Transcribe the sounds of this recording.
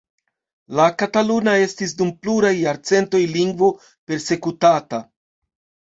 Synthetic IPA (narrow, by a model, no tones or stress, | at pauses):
lakatalunae̞stis̬dumpluɾajːaɾt͡se̞nto̞jliŋɡvo̞ | pe̞ɾse̞kutata